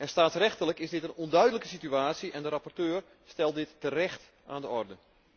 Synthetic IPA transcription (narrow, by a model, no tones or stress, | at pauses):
ɛnstaːtsrɛxtələkɪsdɪtənɔndœɥdələkəsityaːsiʔɛndəɾapɔrtøːr | stɛlˠdɪtːərɛxt | aːndəɔrdə